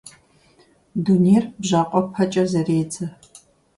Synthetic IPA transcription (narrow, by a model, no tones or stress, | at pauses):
duːneːrbʒaːqʷʼɔpʰɐt͡ʃʼɐzɐreːd͡zɐ